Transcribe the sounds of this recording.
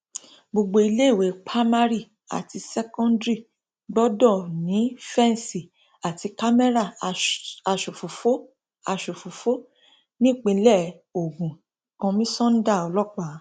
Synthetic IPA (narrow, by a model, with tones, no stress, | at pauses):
bo˨ɡ͡bo˧i˧le˦i˦˨we˨˦k͡pʰa˦ma˦ɾi˦˨ | a̰˨ti˧sɛ˦kɔ̃˦ndɾi˦˨ | ɡ͡bɔ˦dɔ˦˨nĩ˨˦fɛ̃˦n˨si˨ | a˨ti˧ka˦me˦ɾa˦˨ | a˧˨ʃo˨fo˨fo˦ | a˧ʃo˨fu˨fo˦ | nĩ˦˨k͡pĩ˧˦lɛ˦˨ | o˨ɡũ˨ | kã˧mĩ˦sɔ̃˦n̩˦da˦˨ɔ˧lɔ˦k͡pa˦˨˦